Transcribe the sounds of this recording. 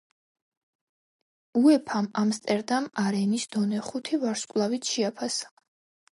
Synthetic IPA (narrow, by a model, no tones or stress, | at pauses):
uɛpʰamamst̪ʼɛɾd̪amaɾɛnisd̪̥ɔnɛχut̪ʰivaɾskʼlˠavit̪ʰʃiapʰasḁ